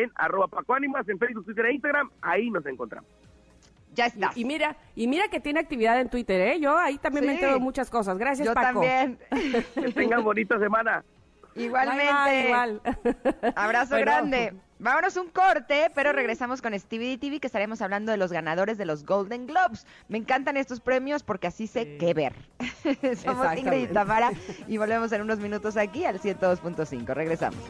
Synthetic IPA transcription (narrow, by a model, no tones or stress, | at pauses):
ena̰ro̞βapakoanĩmasenfejzβuk̚t̪wit̪eɾeinst̪aɣɾamaino̞s̬e̞ŋkont̪ɾa̰mos | d͡ʒaest̪aimiɾaimiɾake̞t̪jeneak̚t̪iβiðaðent̪wit̪eɾeʝoait̪ambjmeneðomut͡ʃasko̞s̬azɣɾas̬jasd͡ʒopaamobjenket̪eŋɡazβonit̪ase̞mãna | iɣwalmẽneɣwal | aβɾas̬oɣɾand̪e | bamono̞suŋko̞ɾt̪e̞pe̞ɾo̞re̞ɣɾe̞samo̞sko̞nest̪iβiðit̪iβikest̪aɾe̞mo̞saβland̪o̞ðe̞lo̞zɣanað̞o̞ɾe̞zðelo̞zɣold̪e̞ŋɡlobs | me̞ːŋkant̪ane̞st̪o̞spɾe̞mjo̞spo̞ɾkeasise̞keβḛɾ | somosiŋɡeit̪amaɾaiβo̞lβe̞mo̞s̬e̞nuno̞zmĩnut̪o̞s̬akialsje̞nt̪oðo̞spunt̪o̞sḭŋko̞re̞ɣɾe̞sa̰mo̰s